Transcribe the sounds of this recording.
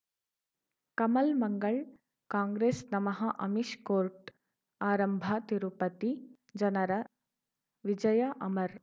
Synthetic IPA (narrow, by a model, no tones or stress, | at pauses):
kɐmɐlmɐŋɡɐɭ | kaːŋɡɾeːsnɐmɐɦɐʔɐ̰miʃkoːɾʈ | aːɾɐmbʱɐt̪iɾupɐt̪i | d͡ʒɐnɐɾɐ | ʋid͡ʒɐjɐʔɐmɐɾ